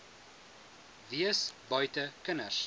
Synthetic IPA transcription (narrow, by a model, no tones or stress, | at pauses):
viəsbœɥtəkənərs